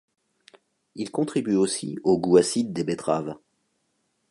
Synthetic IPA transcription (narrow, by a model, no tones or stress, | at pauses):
ilkɔ̃t̪χibyosḭoɡuasid̪ːebet̪χav